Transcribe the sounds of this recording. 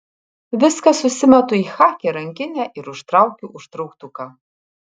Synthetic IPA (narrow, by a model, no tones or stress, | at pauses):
ʋʲɪskɐsʊsʲɪmʲɛt̪ʊiːxɑːkʲɛɾɐŋʲkʲɪnʲæːʔɪɾʊʃt̪ɾɑˑʊkʲuʔʊʃt̪ɾɒʊkt̪ʊkɑ